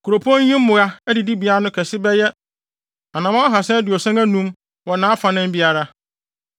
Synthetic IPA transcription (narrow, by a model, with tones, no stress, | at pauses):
kʰu˨ɾo˨pʰu˦ɔ̃˦ɲ˦ɲĩ˦m˦mʊ̃˨ɣa˦ɛ˦dɪ˨di˦bi˨a˦ɾa˦nʊ̃˦kʰɛ˨sɪ˦bɛ˦jɛ˦ | a˨nã˨mã˦ɦa˨sɛ̃˦dɪ˨ɔ˨sã˦ŋæ˦nũ˦m | wɔ˨nãː˨˦a˦fã˨nɪ̃˦m˦bi˦a˨ɾa˦